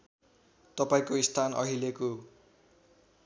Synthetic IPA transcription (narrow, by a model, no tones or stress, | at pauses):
t̪ʌpaĩkoist̪ʰanʔʌ̰ɦileko